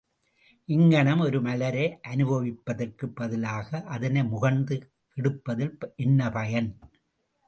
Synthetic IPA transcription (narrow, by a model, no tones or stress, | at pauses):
ʔɪŋɡɐɳɐmɔɾɯmɐlɐɾeːʔɐnɯbɐʋɪpːɐðɐrkɯbːɐðɪlaːɣɐʔɐðɐnɐɪmʊɣɐnd̪ɯ | kɛɽɯpːɐðɪlʔɪnːɐpɐjɐn